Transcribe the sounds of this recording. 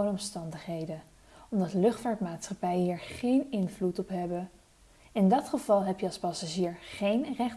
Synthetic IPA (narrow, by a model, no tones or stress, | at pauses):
ənəɔmstɑndəχɦejdə | ɔmdɑtlɵχtfaːtmaːtsχɑpɛjəɦiːɹχejnɪnvlutɔpɦɛbə | ɪndɑtχəv̥ɑlˠɦɛpjəɑlˠspɑsaʒiːɹχejnrɛχ